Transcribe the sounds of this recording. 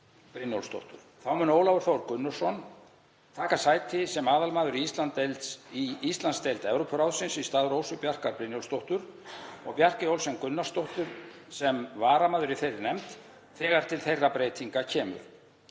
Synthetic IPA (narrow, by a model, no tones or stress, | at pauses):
pɾɪnjo̰wlst̪o̰wht̪ʏɾ̥θawmɛnoːwlavʏɾ̥θowɾkʏnːʏ̥sɔn | t̪ʰaːkasaːjt̪ʰɪsɛmaːðalmaːðʏɾiist̪lant̪ːejlt̪siist̪lanst̪ejlt̪ɛvɾowpʰɾawðsɪnsist̪aːðɾoːwsʏpjar̥kaɾpɾɪnjowlst̪owht̪ʏɾɔ̰ɣpjar̥cɪowlsɛmkʏnːast̪owht̪ʏɾ̥ | sɛmvaːɾamaːðʏɾiθejɾɪnɛmt̪ | θɛːɣaɾ̥t̪ʰɪlθejrːapɾeːt̪ʰiŋkacʰɛːmʏ̰ɾ̥